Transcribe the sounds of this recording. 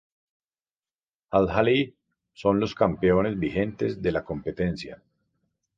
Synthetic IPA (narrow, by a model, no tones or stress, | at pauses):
alɦali | so̞nlo̞skampeo̞ne̞zbihe̞nt̪e̞zd̪e̞lako̞mpe̞t̪e̞nsja̰